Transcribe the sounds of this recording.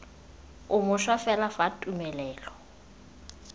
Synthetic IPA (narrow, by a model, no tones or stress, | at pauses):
ʊmʊʃwafɛlafatʼumɛlɛːlɔ